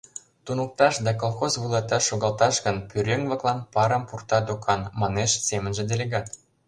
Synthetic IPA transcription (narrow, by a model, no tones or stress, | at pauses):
t̪unuk̚t̪ɑʃd̪ɑk̬olˠxozβulˠɑt̪ɑʃːoɣɑlt̪ɑʃɡə̆npyɾʲeŋβɤ̆klˠɑnpɑɾə̆mpurt̪ɑd̪okʰɑnmɑneʃsemə̆nʒĕd̪elʲeɣɑt̪